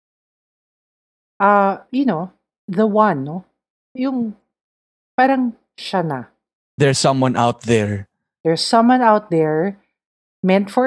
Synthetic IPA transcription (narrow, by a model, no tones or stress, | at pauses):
ʔajʊno | ðɐwɐ̃nːo | jʊŋ | paːɾɐŋ | ʃana | ðɛɹsʌ̃mwʌ̃nʔa̰wt̪̚ðɛɹ | ðɛɹsːʌ̃mwãnawt̪̚ðɛɹ | mɛ̃nt̪fɔ